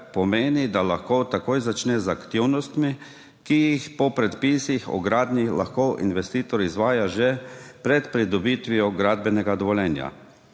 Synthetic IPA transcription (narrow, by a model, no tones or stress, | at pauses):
pɔmeːnid̪alaxkot̪akoːjzat͡ʃnɛzakt̪iwnɔst̪mi | kijixpɔpɾɛt̪piːsixɔ̰ɡɾaːd̪nila̰xkoʔḭnʋɛst̪iːt̪ɔɾizʋaːjaʒɛpɾɛt̪pɾid̪ɔbit̪ʋiɔɡɾaːd̪bɛnɛɡad̪ɔʋɔljɛnja̰